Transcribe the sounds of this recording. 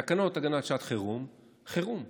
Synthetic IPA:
akano̞t̪aɡanat̪ʃat̪χeʁum | χeʁum

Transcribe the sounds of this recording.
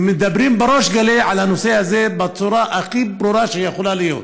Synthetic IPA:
med̪abɾimbeɾoʃɡaleʕalhanosehazebet͡suɾaʔaxibɾuɾaʃejexolalijo̰t̪

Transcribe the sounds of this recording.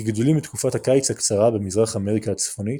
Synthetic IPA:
ɡdulimbitkufathakajt͡shakt͡saʁabemizʁaχaːme̞ʁikaːt͡sfo̞nit

